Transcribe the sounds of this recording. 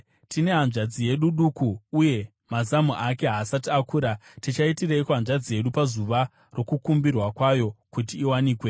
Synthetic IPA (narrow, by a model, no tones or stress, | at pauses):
tine̞ɦanʐad͡zije̞ɗuɗukuːje̞ | mazamuʔake̞ɦaːsatiakuːɾatit͡ʃaitireikuɦanʐad͡zije̞ɗupazuʋa | ro̞kukumbirwakwajo̞kutiːwaniːkwe̞